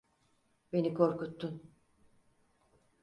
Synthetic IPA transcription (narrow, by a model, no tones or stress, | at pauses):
be̞nikʰo̞ɾkut̪ːun